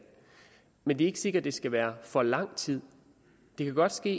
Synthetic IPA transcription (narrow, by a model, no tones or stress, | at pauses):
mend̥ieɡ̥ə̥se̝ɡ̥ɐdd̥e̝sɡ̥æʋæːɐfɒ̽lɑ̈ŋ̰t͡sʰið̞̰ˠ | d̥e̝kʰæɡ̥ɒ̽d̥sɡ̥e̝̰ː